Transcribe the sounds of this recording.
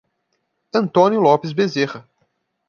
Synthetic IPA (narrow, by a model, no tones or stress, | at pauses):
ɐ̃nt̪õnjʊlɔpɪzbezehɐ